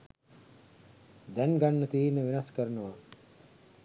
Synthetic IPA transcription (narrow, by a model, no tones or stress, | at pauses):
d̪ɛnɡanːət̪iːnəʋenaskəɾənəʋa